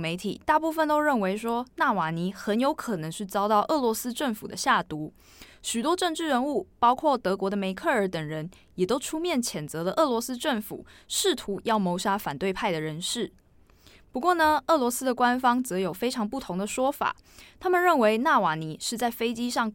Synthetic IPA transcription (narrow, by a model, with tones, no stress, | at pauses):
me˧˥ɪt̪ʰḭ˨˩t̪a˥˧pu˥˩fə˨nt̪o˥ʊɻə˥˩nwe˧˥ɪʂwɔ˥na˥˩wa˨˩ni˧˥xə˧˦˥njo˧˥ʊkʰɤ˨˩nə˧˥ŋʂ̩ʰ˥˩t͡sɑ˥ʊt̪ɑ˥˧ʊʔɤ˥˩lwɔ˧˥sɹ̩˥ʈ͡ʂə˥˩ŋfu˨˩d̪ə˦ɕja˥˩t̪u˧˥ | ɕy˨˩t̪wɔ˥ʈ͡ʂɤ˥˧ŋʈ͡ʂɻ̩˥˩ɻə˧nu˥˩pɑ˥ʊkʰwɔ˥˩t̪ɤ˧˥kwɔ˧˥d̪ə˧me˧˥ɪkʰɤ˥˩ə˞˧˥t̪ə˨˩ŋɻə˧˦n | jɛ˨˩t̪o˥ʊʈ͡ʂʰu˥mjɛ˥˩nt͡ɕʰjɛ˨˩nt͡sɤ˧˦lə˧ʔɤ˥˩lwɔ˧˥sɹ̩˥ʈ͡ʂə˥˩ŋfṵ˨˩ʂɻ̩˥˩t̪ʰu˧˥jɑ˥˩ʊmo˧˥ʊʂa˥fa˨˩nt̪we˥˧ɪpʰa˥˩ɪd̪ə˩ɻə˧˥nʂɻ̩˥˩ | pu˧˥kwɔ˥˩nə˩ɤ˥˩lwɔ˧˥sɹ̩˥d̪ə˨kwa˦nfɑ˥ŋt͡sɤ˧˥jo˨˩ʊfe˥ɪʈ͡ʂʰɑ˧˥ŋpu˥˩t̪ʰo˧˥ŋd̪ə˨ʂwɔ˥fa̰˨˩ | t̪ʰa˥mə˨nɻə˥˩nwe˧˥ɪna˥˩wa˨˩ni˧˦ʂɻ̩˥˧t͡sa˥˩ɪfe˥ɪt͡ɕi˥ʂɑ˥˩ŋ